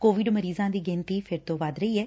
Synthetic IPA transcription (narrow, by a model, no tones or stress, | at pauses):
koːʋɪɖməɾiːzãːd̪iːɡɪ̃nt̪iːpʰɪɾt̪õːʋaːd̪ɾəiːɛː